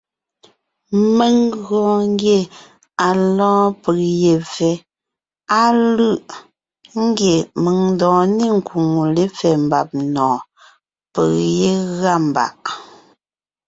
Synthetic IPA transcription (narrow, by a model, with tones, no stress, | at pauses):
me˦˨ŋɣɔ̃˨ŋ˦ɡje˦˨ | a˨lɔ̃ː˦pə˨ɣje˨fɛ˨˦ | a˦lɯ˦ʔ | ŋ̩˦ɡje˨mə˨ŋn˦dɔ̃ː˨ni˦ŋ˨ku˨ŋu˨le˦fɛ˨m̩˨ba̰˨p̚nɔ̃ː˨ | pə˨je˦ɣa˦˨m˨ba̰˨ʔ